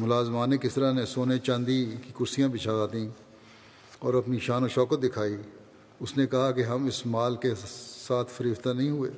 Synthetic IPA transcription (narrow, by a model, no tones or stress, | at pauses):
mʊlaːzmaːnẽkɪst̪əɾanẽsoːnet͡ʃãnd̪ikikʊɾsijãbɪt͡ʃʰaaːt̪ĩ | ɔːɾɐpniʃaːnoʃɔːkət̪̚d̪ɪkʰaːi | ʊsnẽkɐɦakeɦɐmɪsmaːlkesaːt̪ʰfɐɾiːft̪anɐɦĩɦʊḛː